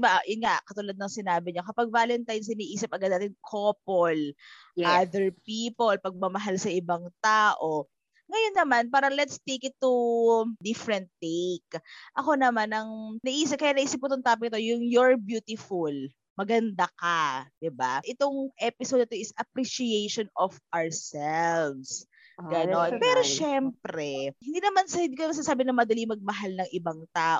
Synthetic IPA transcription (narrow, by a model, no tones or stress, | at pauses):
bajʊnŋakɐt̪ʊlad̪̚nɐŋsɪnaːbɪɲokɐpɐɡ̚vaːlɛnt̪ajnsɪniːʔiːsɪp̚ʔɐɡɐd̪̚aːt̪ɪŋkʰopol | ʔad̪ɛɹpiːpolpɐɡ̚mɐmɐɦalsɐʔɪbaŋt̪aːʔo | ŋɐjo̞nːɐmanpaːɾɐŋlɛt̪st̪ekɪt̪ːud̪ɪfɾɛnt̪ːekʔɐko̞nɐmanɐŋnɐʔiːs̬ɪkɐjanɐʔiːsɪp̚kʊt̪ʊŋt̪aːpɪkɪt̪ojʊŋjoɹbjuːt̪ɪful | mɐɡɐnd̪akad̪̥ɪba̰ʔɪt̪o̞ŋʔɛpɪsod̪ɐt̪oʔɪsɐpɾiʃiejʃonɔfawɹsɛlvs | ɡɐnonpɛːɾoʃɛmpɾɛhɪnd̪iːnɐmansnd̪iːkomɐɡ̚s̬aːsaːbɪnɐmɐd̪ɐlimɐɡ̚mɐɦalnɐŋʔɪbaŋt̪aːʔ